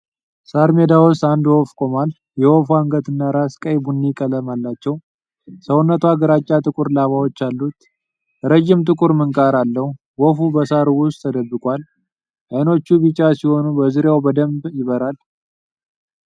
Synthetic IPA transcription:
saɾme̞d̪awʊst̪and̪wofkʼo̞mal | jɛwofuaŋɡət̪ɨnːaɾaskʼəjbunːikʼələmalːat͡ʃːɛw | səwʊnːət̪ʰuaɡəɾat͡ʃʼːat̪ʼɨkʼʊɾlaβawo̞t͡ʃːalːut̪ | ɾəd͡ʒːɪmt̪ʼɨkʼʊɾmɨŋkʼaɾalːəhu | wɔfubəsaɾuwʊst̪ʰːəd̪əbːɨkʼal | ʔajno̞t͡ʃːubɨt͡ʃʼːasiho̞nubəzɨɾjawbəd̪əmbjɪβəɾal

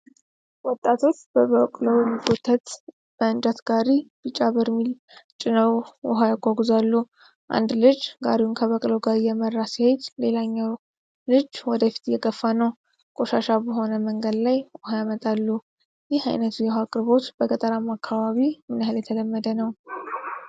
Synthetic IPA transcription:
wɔt̪ʼːat̪ʰo̞t͡ʃːbəβəkʼlowjɛmːiɡot̪ʰːət̪ | b̥əɨnd̪at̪ɡaɾib̥ɨt͡ʃʼːaβəɾmil | t͡ʃʼɪnəwʔɔɦajakʷːaɡuzalːu | ʔa̰nd̪lɨd͡ʒɡaɾiwunkʰəβəkʼloɡaɾijɛmərːasihed͡ʒle̞laɲːaw | lɨd͡ʒwɔd̪əfi̥t̪jɛɡəfːanəw | kʼoʃaʃabəɦo̞nəməŋɡəd̪lajʔɔhajamət̪ʼalːu | jɪha̰jnət̪ʰujɛhakʼɨɾbo̞t̪b̥əkʼət̪ʼəɾamakʰːaβaβimɨnhaljɛt̪ʰələmːəd̪ənəw

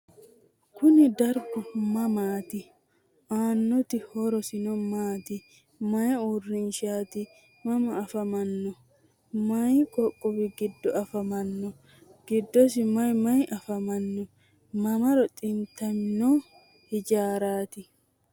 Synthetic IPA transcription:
kʊnɪd̪ɐɾɡʊmɐmaːt̪ɪ | ʔaːnːɔt̪ɪhɔɾɔsɪnɔmaːt̪ɪ | mɐjuːrːɪnʃaːt̪ɪ | mɐmɐːfɐmɐnːɔ | mɐjkʼɔkʼːɔbɪɡɪd̪ːɔɐfɐmɐnːɔ | ɡ̥ɪd̪ːɔs̬ɪmɐjmɐjʔɐfɐmɐnːɔ | mɐmɐɾɔt̪ʼɪmt̪ɐmnɔ | hɪd͡ʒaːɾaːt̪ɪ

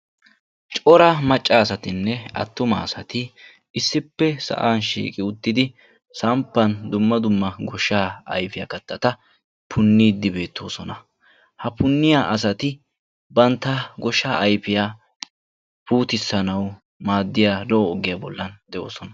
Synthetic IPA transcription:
t͡ʃʼɔɾɐmɐt͡ʃʼːaːsɐt̪ɪnːɛɐ̰t̪ːʊmaːsɐt̪ɪ | ɪsːɪpːɛsɐ̰ʔaːnʃḭːkʼɪʊt̪ːɪd̪ɪ | sɐmpːɐnd̪ʊmːɐd̪ʊmːɐɡɔʃːaːɐ̰jfɪja̰kɐt̪ːɐt̪ɐ | pʰʊnːiːd̪ːɪbe̞ːt̪ʰːo̞ːsɔnɐ | hɐpʰʊnːɪjaʔɐs̬ɐt̪ɪ | bɐnt̪ːɐɡɔʃːaːʔɐjfɪjaː | puːt̪ɪsːɐnɐw | maːd̪ːɪjaːlɔɔːɡɪjaːbɔlːɐnd̪ɛʔo̰ːsɔnɐ

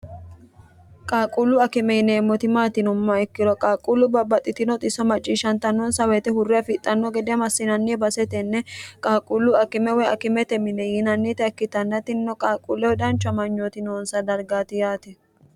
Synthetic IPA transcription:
kʼaːkʼulʊɐkɪmɛjɪneːmːɔt̪ɪmaːt̪ɪnʊmːɐɛkːɪɾɔkʼaːkʼulːʊbɐbɐt̪ʼːɪt̪ɪnɔt̪ʼɪsɔmɐt͡ʃʼːiːʃɐnt̪ɐnːɔnsɐwɛt̪ɛhʊrːɪɐfɪt̪ʼːɐnːɔɡɛd̪ɛɐmɐsːɪnɐnːiɛbɐsɛt̪ɛnːɛkʼaːkʼulːʊɐkɪmɛwɛɐkɪmɛt̪ɛmɪnɛjɪnɐnːit̪ɛɐkːɪt̪ɐnːɐt̪ɪnːɔkʼaːkʼulːɛwɔd̪ɐnt͡ʃːʊɐmɐɲːoːt̪ɪnoːnsɐd̪ɐɾɡaːt̪ɪjaːt̪ɛ

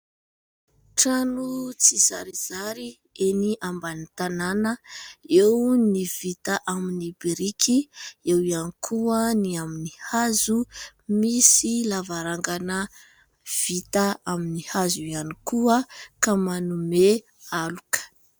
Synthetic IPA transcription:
ʈ͡ʂanut͡siz̥a̰ɾiz̥aɾi | eniʔambanit̪ananəewnivit̪aʔaminibiɾikʰiewianikʰuəniaminihazumisilavaɾaŋɡanə | v̥it̪aaminihazuianikuəkamanume | alukə̥

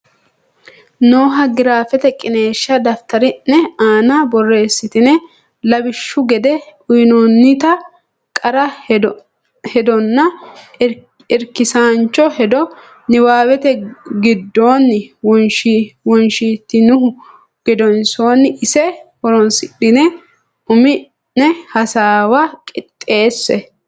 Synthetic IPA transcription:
noːɦɐɡɪɾaːfɛt̪ɛkʼɪne̞ːʃːɐd̪ɐft̪ɐɾɪnːɛaːnabɔrːe̞ːsːɪt̪ɪnɛ | lɐbɪʃːʊɡɛd̪ɛʊjnonːɪt̪ɐ | kʼɐɾɐ | hɛd̪ɔnːɐ | ɪɾkɪsaːnt͡ʃːɔhɛd̪ɔ | nɪwaːwɛt̪ɛɡɪd̪ːoːnːwɔnʃwɔnʃit̪ːɪnʊhʊ | ɡ̥ɛd̪ɔnso̞ːnːɪsɛhɔɾɔnsɪɗɪnɛ | ʔʊmɪ | nnɛhɐsaːwakʼɪt̪ʼːe̞ːsːɛ

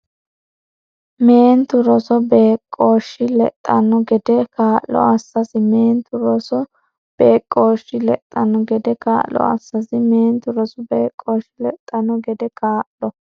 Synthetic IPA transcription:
meːnt̪ʊɾɔsɔbeːkʼːoːʃːɪlɛ̰t̪ʼːɐnːɔɡɛd̪ɛkaːʔlɔ̰ɐsːɐsɪme̞ːnt̪ʊɾɔsɔ | b̥eːkʼːoːʃːɪlɛt̪ʼːɐnːɔɡɛd̪ɛka̰ːʔlːɔ̰ɐ̰sːɐsɪmeːnt̪ʊɾɔsɔbeːkʼːoːʃɪlɛt̪ʼːɐnɔɡɛd̪ɛkaːʔlɔ

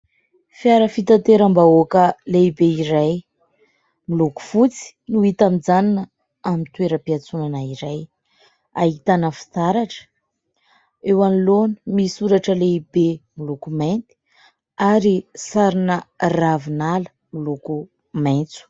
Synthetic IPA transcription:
fjaɾəfit̪at̪eɾambaokəleibeiɾaj | miluku̥fut͡si̥nuit̪amid͡zaninə | amint̪weɾəpiat͡sunanaiɾaj | a̰it̪anəfi̥t̪aɾaʈ͡ʂə̥ | ewanilonimisuɾaʈ͡ʂəleibemilukument̪i̥ | aɾisaɾinəravinalə̥ | miluku | majnt͡su̥

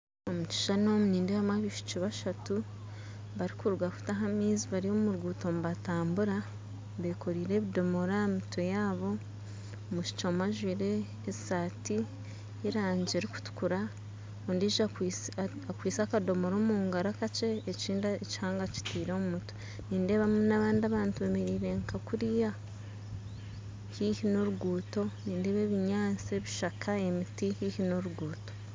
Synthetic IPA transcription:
omut͡ʃi̥ʃanomuniːndejamaβiʃu̥t͡ʃiβaʃatu | βaɾikuɾuɡafu̥taɦamiːziβaɾiomuɾɡuːtoːmuβataːmbuɾa | βeko̞ɾiːɾe̞ːβido̞mo̞ɾaemitwejaːβo̞ | omuʃi̥t͡ʃomaʒwiɾe̞ː | saːti | iɾaːɲd͡ʒeɾiku̥tu̥kuɾa | ondiʒa | akwiːsakado̞moɾoːmuːŋɡaɾakat͡ʃeːt͡ʃiːndaeci̥haːŋɡat͡ʃi̥tiːɾomumutu̥ | niːnde̞ːβamunaβaːndiaβaːntuβemeɾiːɾe̞ŋkʰakuɾija | hihino̞ɾuɡuːto̞niːnde̞ːβeβiɲaːt͡seβiʃakʰaemitihihino̞ɾuɡuːto̞̥

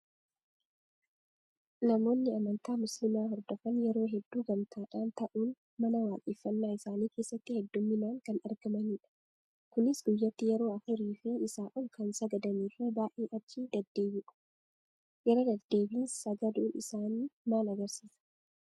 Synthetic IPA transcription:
nɐmo̞ːnːɪɐmɐnt̪aːmʊslɪmaːɦɔɾd̪ɔfɐnjɛɾo̞ːɦɛd̪ːuːɡɐmt̪ʰaːᶑaːnt̪ɐʔuːn | mɐnɐwaːkʼiːfːɐnːaːɪsaːniːkeːsːɐt̪ːɪhɛd̪ːʊmːɪnaːŋkɐnɐɾɡɐmɐniːᶑɐ̥ | kʊnɪsɡʊjːɐt̪ːɪjɛɾo̞ːɐfʊɾiːfɪɪsaːʔʊlkɐnsɐɡɐd̪ɐniːfɪbaːʔeːʔɐt͡ʃːid̪ɐd̪ːe̞ːbɪᶑɐ̥ | jɛɾɐd̪ɐd̪̥ːe̞ːbiːnsɐɡɐd̪uːnɪsaːnimaːnɐɡɐɾsiːsɐ̥

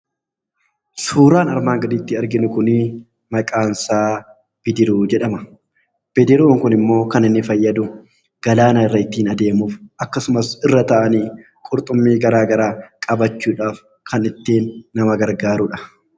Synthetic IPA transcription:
suːɾaːnɐɾmaːŋɡɐd̪iːt̪ːɪɐɾɡɪnʊkʊnɪ | mɐkʼaːnsaː | b̥ɪd̪ɪɾuːd͡ʒɛᶑɐmɐ | b̥ɪd̪ɪɾuːŋkʊnɪmːo̞ːkɐnɪnːɪfɐjːɐd̪ʊ | ɡ̥ɐlaːnaɪrːɐɪt̪ːiːnɐd̪e̞ːmuːfʔɐkːɐsʊmɐsɪrːɐt̪ɐʔɐniː | kʼʊɾt̪ʼʊmːiːɡɐɾaːɡɐɾaːkʼɐbɐt͡ʃːuːᶑaːf | kʰɐnɪt̪ːeːnːɐmɐɡɐɾɡaːɾʊᶑɐ̥

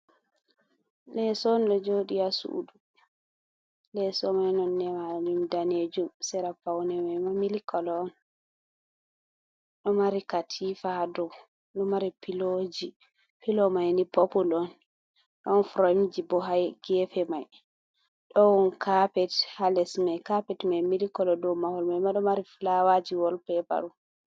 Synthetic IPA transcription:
lɛsɔnɗɔd͡ʒoɗijasṵʔdu | lɛsɔmajnɔnːɛmad͡ʒumdaned͡ʒumsɛɾapawnɛmajmamilikɔlɔn | ɗɔmaɾikatʰifadɔw | ɗɔmaɾipilod͡ʒi | pilɔmajnipopulɔn | ɗɔnfɾomd͡ʒibɔɦajɡ̥ɛfɛmaj | ɗɔwɔnkapɛthalɛsmajkapɛtmamilikɔlɔdɔwmahɔlmajmaɗɔmaɾiflawad͡ʒiwɔlpɛba̰ɾu

